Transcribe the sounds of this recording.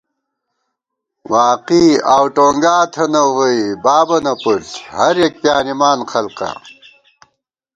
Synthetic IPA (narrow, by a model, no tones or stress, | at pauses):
waːqiaːwʈoːŋɡaːt̪ʰɐnɐwwɐjbaːbɐnɐputhɐɾjek̚pjaːnimaːnxɐlqa̰